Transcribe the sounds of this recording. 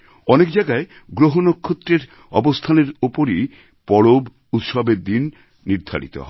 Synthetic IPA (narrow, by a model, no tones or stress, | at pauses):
ɔnekd͡ʑajɡae | ɡɾoɦonokʰːot̪ːɾeɾ | ɔ̰bost̪ʰaneɾopoɾi | pɔɽob | ut̪ʃɔbeɾd̪inː | iɾd̪ʱa̰ɾḭt̪o̰ɦɔe